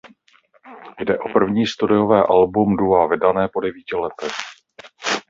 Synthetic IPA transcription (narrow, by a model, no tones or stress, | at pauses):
jdɛʔo̞pr̩vɲiːst̪udɪjo̞vɛːʔalbumduɦaːvɪdanɛːpo̞dɛviːcɪlɛt̪ɛx